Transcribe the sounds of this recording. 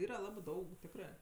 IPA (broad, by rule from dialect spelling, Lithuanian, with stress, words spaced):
ˈiːrɐ ˈlˠɑːbɜ ˈdɐʊk ˈtʲɪkrɜ